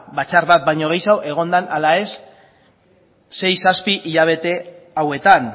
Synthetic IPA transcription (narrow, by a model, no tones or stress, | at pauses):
bat͡ʃarβat̪̚bajɲo̞ɣ̞ejsawʔe̞ɣ̞o̞nd̪analae̞s | e̞jsaspiʔiʎaβ̞e̞t̪e̞ | awe̞t̪an